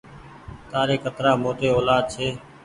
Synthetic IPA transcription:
t̪aːɾeːkət̪ɾaːmoːt̪eːoːlaːd̪̚t͡ʃʰeː

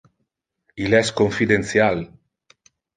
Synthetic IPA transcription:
ilɛskoɱfid̪enθjal

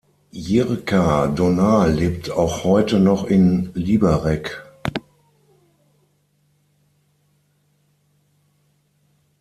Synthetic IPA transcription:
jiʁkʰadonaːleːp̚tʰaʊxhɔʏtənɔχɪnliːbɐʁɛk

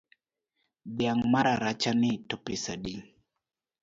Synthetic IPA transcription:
biaŋmaɾaɾat͡ʃanitɔpesaɗi

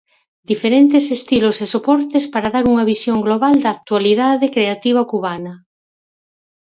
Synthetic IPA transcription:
d̪ifeɾent̪esest̪ilosesopɔɾt̪espaɾaðaɾuŋɐβisjoŋɡloβald̪ɐaːkt̪ualiðaðekɾeat̪iβ̞ɐkuβanɐ

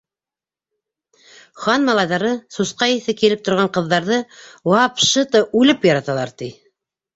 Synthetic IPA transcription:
χɑnmɑlˠɑjðɑɾɤsusqɑjiθɘkilɘp̚t̪ŏɾʁɑɴqɤ̆ðːɑɾðɤwɑpʃɤt̪ɤʔʉlɘpjɑɾɑt̪ɑlˠɑ̰ɾt̪i

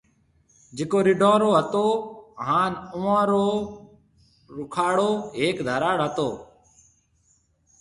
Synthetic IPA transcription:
d͡ʒeːkoːɾɪɖʱãːɾoːɦət̪oːɦaːnʊːãːɾoː | ɾʊkʰaːɽoːɦeːkd̪ʱəːɾaːɽɦət̪oː

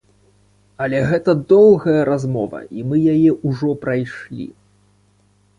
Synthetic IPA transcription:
ɐlʲɛɣɛt̪ɐd̪ɔlˠɣɐjɐɾazmɔvɐ̰ʔimɨjajɛʔuʐɔpɾajʂlʲḭ

